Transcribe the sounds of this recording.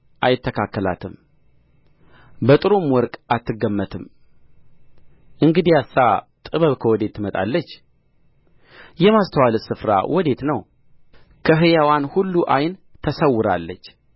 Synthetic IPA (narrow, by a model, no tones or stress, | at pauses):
ʔajɪt̪ʰːəkʰakːəla̰t̪ʰɨm | bət̪ʼɨɾomwɔɾkʼat̪ːɨɡəmːət̪ʰɨm | ʔɨŋɡɨd̪ijasːa | t̪ʼɨβəβkʰəwɔd̪e̞t̪ʰːɨmət̪ʼa̰lːət͡ʃː | jɛmast̪ʰəwalɨsɨfɾa̰wʔɔd̪e̞t̪nəw | kʰəɦɨjawanhulːuʔajnt̪ʰəsəwːɨɾa̰lːət͡ʃː